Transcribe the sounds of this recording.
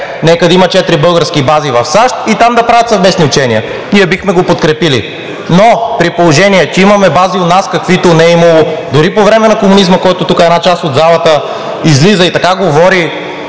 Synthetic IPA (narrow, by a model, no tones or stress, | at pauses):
nɛkəd̪ɐimɐt͡ʃɛt̪ɾibɤlˠɡəɾskibazivɐfsaʃt̪̚it̪amd̪ɐpɾavət̪sɐvmɛsniʊt͡ʃɛniə | niɛbixmɛɡopot̪kɾɛpilḭ | nopɾipolˠoʒɛniɛt͡ʃɛimɐmɛbaziot̪naskɐkvit̪onɛimɐlˠod̪ʊɾipovɾɛmɛnɐkomunizməkɔjt̪ot̪ukəɛd̪nat͡ʃast̪od̪zalˠɐt̪ə | izlizəit̪ɐkaɡovɔɾi